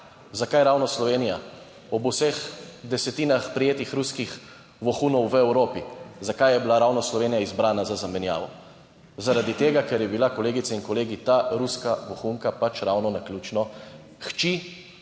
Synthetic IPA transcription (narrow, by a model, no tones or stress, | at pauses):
zakajɾawnɔslɔʋeːnija | ɔbusɛxd̪ɛsɛt̪iːnaxpɾijeːt̪ixɾuskix | ʋɔxunɔwʋəɛwɾoːpizakajɛbilaɾawnɔslɔʋeːnijaizbɾaːnazazamɛnja̰ːʋɔ | zaɾad̪it̪eːɡakɛɾjɛbilakɔleːɡit̪sɛinkɔleːɡit̪aɾuskaʋɔxuŋkapat͡ʃɾawnɔnaklʲuːt͡ʃnɔ | xt͡ʃi